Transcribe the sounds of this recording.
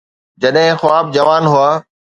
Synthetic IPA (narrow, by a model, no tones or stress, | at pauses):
d͡ʑəɗɦɪ̃xʋaːb̚d͡ʑɐʋaːnɦʊaː